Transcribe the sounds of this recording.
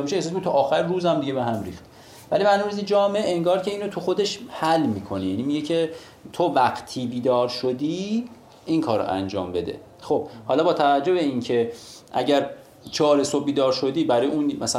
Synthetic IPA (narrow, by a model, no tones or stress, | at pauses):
miʃeehs̬s̬miet̪ʰuʔɒːxæɾruːzæmd̪iɟe̞beɦæmɾḭːxt̪ | vælimæɾnomɾizid͡ʒɒːmeee̞ŋɡɒːɾcʰe̞iːnot̪ʰuxo̞d̪e̞ʃhælːmiːkʰo̞nijænimiɟecʰe̞ | t̪ʰovæqt̪ʰiːbiːd̪ɒːɾʃo̞d̪iː | inkʰɒːɾo̰ʔæ̰nd͡ʒɒ̰ːmbe̞d̪ḛ | xob̥hɒːlɒːbɒːt̪ʰævæd͡ʒːo̞be̞incʰe̞ʔæ̰ɟæɾ | t͡ʃʰɒːɾesob̚biːd̪ɒːɾʃo̞d̪iːbæɾɒːjeunmæs